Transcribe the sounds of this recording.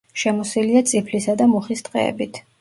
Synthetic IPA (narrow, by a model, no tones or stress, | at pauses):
ʃɛmɔsiliat̪sʼipʰlisad̪amɔχist̪ʼqʼɛ̰ːbit̪ʰ